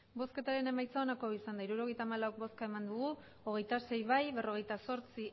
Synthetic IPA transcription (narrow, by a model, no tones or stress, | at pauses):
bo̞ske̞t̪aɾe̞ne̞majt͡saonako̞isand̪aiɾuɾo̞ɣ̞e̞jt̪aːmalawk̚bo̞skae̞mand̪uɣ̞u | oɣ̞e̞jt̪ase̞jβajβe̞ro̞ɣ̞e̞jt̪aso̞ɾt͡si